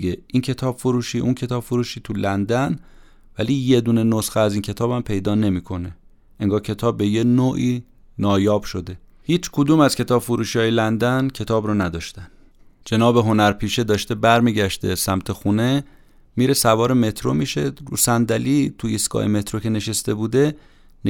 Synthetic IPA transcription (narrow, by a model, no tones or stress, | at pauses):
eʔiːncʰe̞t̪ʰɒːb̥foɾuːʃiːʔuncʰe̞t̪ɒːb̥foɾuːʃiːt̪ʰulænd̪æn | væ̰liːje̞d̪uːne̞nosxeæziːncʰe̞t̪ʰɒːbæmpʰe̞jd̪ɒːne̞miːkʰo̞ne̞ | ʔeŋɡɒːɾcʰe̞t̪ʰɒːbːe̞jenoːʔiː | nɒːjɒːb̥ʃo̞d̪e̞ | hiːt͡ʃʰkʰod̪uːmæz̥kʲʰe̞t̪ʰɒːb̥foɾuːʃiɒːjelænd̪æncʰe̞t̪ʰɒːbɾɔnæd̪ɒːʃt̪æn | d͡ʒe̞nɒːbe̞ɦo̞næɾpʰiːʃe̞d̪ɒːʃt̪e̞bæɾmiːɟæʃt̪ḛsæmt̪ʰe̞xuːne̞ | miːɾe̞sævɒːɾe̞me̞t̪ʰɾomiːʃe̞ɾṵːsænd̪æliːt̪ʰuisɡɒ̰ːjḛme̞t̪ʰɾo̞cʰe̞ne̞ʃest̪e̞buːd̪e̞ | n